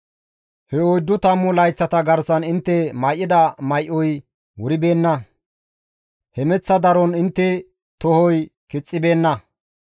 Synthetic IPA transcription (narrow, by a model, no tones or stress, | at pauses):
hɛojd̪ːʊt̪ɐmːʊlɐjt͡sːɐt̪ɐɡɐɾsɐnɪnt̪ːɛmɐjʔːɪd̪ɐmɐjʔɔj | wʊɾɪbe̞ːnːɐ | hɛmɛt͡sːɐd̪ɐɾɔnɪnt̪ːɛ | t̪ɔhɔjkɪt͡sʼːɪbe̞ːnːɐ